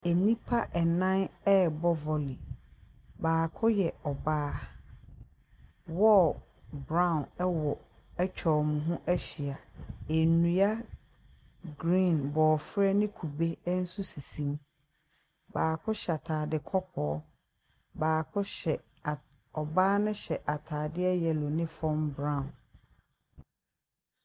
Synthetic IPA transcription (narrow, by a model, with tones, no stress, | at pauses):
ɛ˨nĩ˦pʰa˦ʔɛ˨nã˦nɛ˦bɔ˦vɔ˨li˨ | baː˨kʰʊ˦jɛ˨ɔ˨baː˦ | wɔ˦ | bɾã˦˨ʊ̃˨nɛ˦wɔ˨ | ɛ˦t͡ɕᶣʰɔ˨mũ˨ɦʊ̃˦ʔɛ˦ɕi˨a˨e˨nũ˨ja˦ | ɡɾĩ˦˨nbɔː˨fɾɛ˦nɪ̃˦kʰu˨be˦n̩˦su˦si˨sĩ˨m | baː˨kʰʊ˦ɕa˨tʰaː˨dɪ˨kʰɔ˦pʰɔː˨˦ | baː˨kʰʊ˦ɕɛ˨ | ɔ˨baː˦nʊ̃˦ɕɛ˨ʔa˨tʰaː˨dɪ˦ɛ˦jɛ˨lɔ˨nɪ̃˦fɔ̃˦mbɾã˦˨n